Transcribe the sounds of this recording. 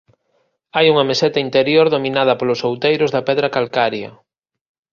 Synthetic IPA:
ajuŋɐmesɛt̪ɐint̪eɾjoɾðominað̞ɐpolʊsowt̪ejɾʊzðɐpɛðɾɐkalkaɾjɐ

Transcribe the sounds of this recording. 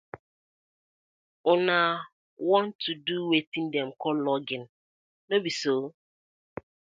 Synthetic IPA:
ʊna | wɔ̃ntʰuduwetĩndɛm̩kɔllɔɡɪn | nobiso

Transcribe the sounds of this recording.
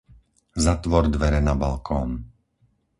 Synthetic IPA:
zat̪ʋɔɾd̪ʋɛɾɛnabalkʰɔːn

